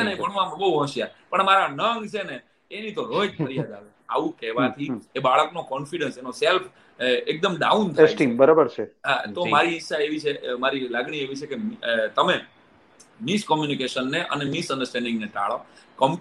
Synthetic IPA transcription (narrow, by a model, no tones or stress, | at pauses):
enəɦĩpəɳɦũam̃bəuɦə̃ʃjapəɳmaɾanəŋɡt͡ʃʰeneː | nit̪oɾojd͡ʒpəɾiaɡ̪aʋ | a̰ʋũkɛɦʋat̪ʰiebaɭəknokɔnfiɖənsenoself | ek̚d̪əmɖaunt̪ʰsʈimbəɾabəɾt͡ʃʰeat̪omaɾiːʃːaeʋit͡ʃʰemaɾilaɡɳieʋit͡ʃʰeket̪əme | miskɔmjunikeʃənːeʔə̰nemisə̃nɖəɾsʈɛ̃nɖɪŋɡnet̪a̰ɭokɔm